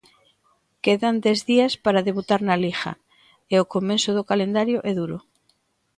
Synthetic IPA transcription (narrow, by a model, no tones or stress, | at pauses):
keðand̪ezðiaspaɾaðeβut̪aɾnalixa̰ | eokomensoð̞okalend̪aɾjoʔɛðuɾo